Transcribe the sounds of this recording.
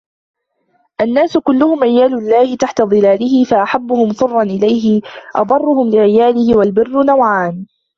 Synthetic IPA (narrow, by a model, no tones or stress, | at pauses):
ʔanːaːsʊkʊlːʊhʊmʕɪjaːlʊlːaːhɪt̪aħt̪ad̪ˤɨlaːlɪɦɪfaʔaħabːʊhʊmsˤʊrˤːɑnʔɪlajɦɪʔɑ̰d̪ˤɑrˤːʊhʊmlɪʕɪjaːlɪhɪwalbɪrːʊnawʕaːn